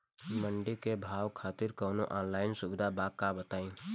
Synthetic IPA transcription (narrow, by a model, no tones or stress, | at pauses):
məɳɖikebʱaːwkʰaːt̪ɪɾkɔːnoʔaːnlaːɪnsʊbɪd̪ʱabakːabət̪aːĩː